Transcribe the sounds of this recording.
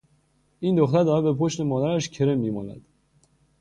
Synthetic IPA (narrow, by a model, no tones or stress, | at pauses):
iːnd̪oxt̪æɾd̪ɒːɾæbe̞pʰoʃt̪e̞mɒːd̪æɾæʃcʰe̞ɾemːiːmɒ̰ːnæ̰d̪̥